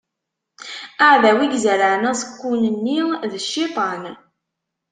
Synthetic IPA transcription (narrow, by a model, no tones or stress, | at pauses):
əʕðæwiɡzæləʕnæsə̥kʷːunənːiðəʃːit̪ˤɑn